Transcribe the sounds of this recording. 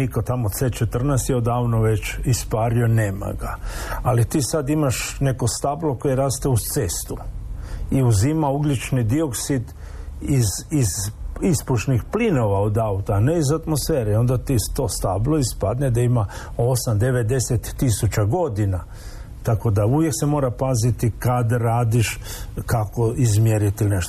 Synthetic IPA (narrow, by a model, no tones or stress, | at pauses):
nikot̪amot̪set͡ʃet̪r̩nɛːst̪jɛod̪aːʋnoʋet͡ʃispaːɾioneːma̰ɡaalit̪iːsad̪imaʃne̞ko̞st̪ablˠo̞ko̞jeɾaːst̪eut̪sest̪u | iuzimauɡlit͡ʃnid̪io̞ksid̪ | izizispuʃnixplino̞ʋaod̪aut̪aːneizat̪mosfeːɾeo̞nd̪at̪ist̪ost̪abloispad̪ned̪aimao̞samd̪e̞ʋe̞d̪e̞set̪ːisut͡ʃaɡo̞d̪ina | t̪ako̞d̪auʋjeksemo̞ːɾapazit̪ikad̪aɾaːd̪iʃkakoizmjeɾit̪iilineʃt̪o